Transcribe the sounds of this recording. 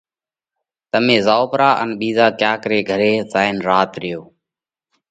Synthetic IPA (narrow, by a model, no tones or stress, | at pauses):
t̪əmẽːzaːoːpɾaːʔə̰nɓiːzaːkjaːkɾeːɡʱəɾeːzaːɪnɾaːt̪ɾɪjoː